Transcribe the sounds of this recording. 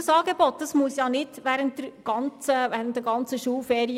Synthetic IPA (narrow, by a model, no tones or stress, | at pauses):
əsɑːɡebɔt̚d̥̪ɑsmusjɑnɪd̥ʋæːɾənt̚d̥̪əɾɡ̥ɑnt͡səʋæːɾən̩t̚d̪əɾɡɑnt͡səʃuːlfɛːɾi